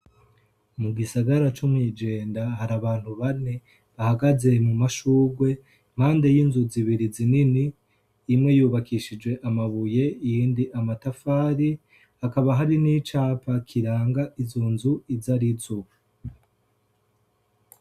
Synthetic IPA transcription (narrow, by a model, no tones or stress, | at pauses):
muɡisaɡaɾat͡ʃumŋiːd͡ʒe̞ːndaɦaɾaβaːn̥huβane | βahaɡaze̞mumaʃuːɡwe̞ | m̥aːnde̞jinzuziβiɾizininiː | mŋe̞juːβakiʃid͡ʒwe̞ʔamaβuje̞ijiːndiʔamatafaːɾi | hakaβaɦaɾinit͡ʃaːpʰakʰiɾaːŋɡaʔizoːnzuizaɾizo